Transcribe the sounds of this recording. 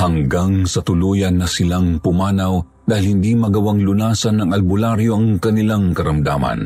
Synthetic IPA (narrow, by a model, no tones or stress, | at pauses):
hɐŋɡaŋsɐt̪ʊluːjɐnːɐsɪlaŋpʊmaːnɐw | d̪aːhɪlhɪnd̪imɐɡɐwaŋlʊnaːsɐnːɐŋɐlbʊlaɾjoʔɐŋkɐnɪlaŋkɐɾɐmd̪a̰ːmɐ̰n